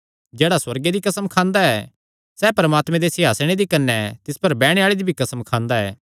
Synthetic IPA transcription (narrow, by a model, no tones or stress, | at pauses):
d͡ʒɛːɽaswɐɾɡed̪ikɐsəmkʰãːnd̪aɛː | sɛːpɐɾɐmaːt̪mɛ̃d̪esɪɦaːsɽ̃ẽd̪ikɐnːɛt̪ɪspɐɾbɛːɽ̃eaːɭed̪ibʱikɐsəmkʰãːnd̪aɛ̰ː